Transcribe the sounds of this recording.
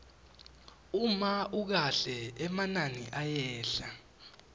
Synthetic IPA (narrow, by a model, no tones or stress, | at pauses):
umauk̬aɬɛɛmananḭʔajɛːɬa